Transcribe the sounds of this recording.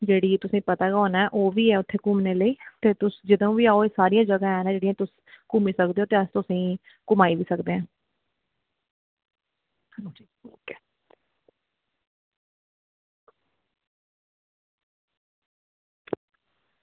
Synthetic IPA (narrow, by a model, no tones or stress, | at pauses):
d͡ʒeːɽiːt̪ʊsĩːpət̪aːkoːnaɛʔoːʋiːɛːʊt̪ʰːeːkʊmneːləiːt̪eːt̪ʊsd͡ʒɪd̪õːʋiːaːoeːsaːɾijãːd͡ʒəɡãːɦɛːnãːd͡ʒeːɽijãːt̪ʊs | kʊmiːsəkd̪eːoːt̪eːəst̪ʊsĩː | kʊmaːiːʋiːsəkd̪eːãː | kː